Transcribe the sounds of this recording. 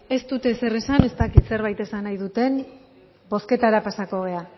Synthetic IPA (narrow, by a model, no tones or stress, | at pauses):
e̞st̪ut̪e̞se̞re̞sane̞st̪akit̪se̞ɾβ̞ajt̪e̞sanajðut̪e̞n | bo̞ske̞t̪aɾapasako̞ɣ̞e̞a